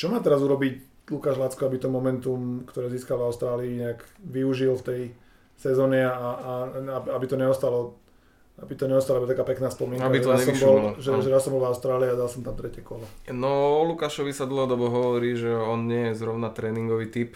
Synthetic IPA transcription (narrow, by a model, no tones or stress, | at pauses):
t͡ʃɔmaːt̪ɛɾazuɾɔbic | lukaːʒlat͡skɔabit̪ɔmɔmɛnt̪umkt̪ɔɾɛːziːskalvaʊst̪ɾaːliːɲɛakʋiuʒilft̪ɛj | sɛzɔːɲɛaaaababit̪ɔɲɛɔst̪alɔ | abit̪ɔɲɛɔst̪alɔbɔat̪akaːpɛknaːspɔmiɛnakbiɛaɛsɔmbɔlʒɛʒɛɾasɔmbɔlvaʊst̪ɾaːliad̪alsɔmt̪amt̪ɾɛcɛkɔlɔnɔɔlukaʃɔʋisad̪l̩ˠɦɔd̪ɔbɔɦɔʋɔɾiːʒɛɔnɲɪɛjɛzɾɔʊnat̪ɾɛːniŋɡɔʋiːt̪ip